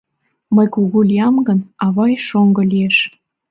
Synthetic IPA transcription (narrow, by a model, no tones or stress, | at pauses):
məjkuɣulijɑmɡənɑβɑjʃoŋɡɤ̆lieʃ